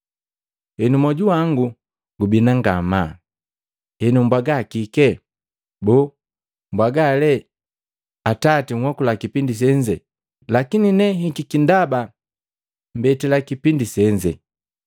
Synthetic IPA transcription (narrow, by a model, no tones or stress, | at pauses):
hɛnumɔɟuaŋɡu | ɡubinaŋɡama | hɛnumbwaɡakikɛ | bɔː | mbwaɡalɛ | atatiŋ̩wɔkulakipindis̬ɛɲd͡ʒɛ | lakininɛɦikikindaba | m̩bɛtilakipindisɛɲd͡ʒɛ